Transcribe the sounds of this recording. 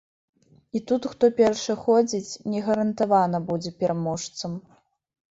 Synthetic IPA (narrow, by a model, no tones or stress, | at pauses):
it̪ut̪xt̪ɔpʲɛɾʂɨxɔd͡zʲit͡sʲnʲɛɣɐɾɐnt̪avanɐbud͡zʲɛpʲɛɾamɔʂt̪sɐm